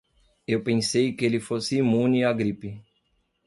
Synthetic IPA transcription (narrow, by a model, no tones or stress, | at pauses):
ewpẽsejkɪelɪfosɪimũniaɡɾipɪ